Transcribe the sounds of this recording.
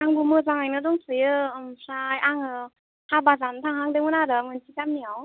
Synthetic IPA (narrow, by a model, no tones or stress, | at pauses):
aŋbumɯzaŋajnɯdɔŋtʰɯjɯmpʰɾajaŋɯ | habazantʰaŋɦaŋdɯmɯnaɾɯmɯnsikamniaw